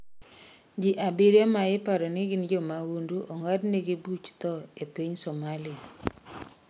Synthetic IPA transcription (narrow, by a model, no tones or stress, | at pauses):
d͡ʒiʔabiɾjemaɪpaɾɔniɡind͡ʒɔmawunduʔɔŋadneɡibut͡ʃt̪ɔepiɲsomalɪa